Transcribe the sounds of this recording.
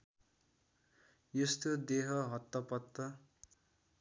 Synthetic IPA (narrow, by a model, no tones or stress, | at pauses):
jʌst̪jod̪eɦʌɦʌt̪ːʌpʌt̪ːʌ